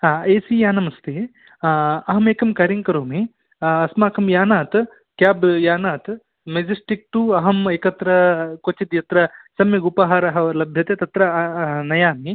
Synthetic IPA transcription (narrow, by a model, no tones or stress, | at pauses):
ɦãːeːsijaːnɐmɐst̪eː | ɐɦɐmeːkɐmkɐɾiŋkɐɾoːmi | ɐsmaːkʰɐmjaːnaːt̪ | kjaːbjaːnaːt̪ | med͡ʒɐsʈik̚ʈuɐɦɐmeːkɐt̪ɾɐkot͡ʃid̪jɐt̪ɾɐsɐmjɐɡupaːɦaːɾɐɦɐɐlɐbʱjɐt̪et̪ɐt̪ɾɐnɐjaːmi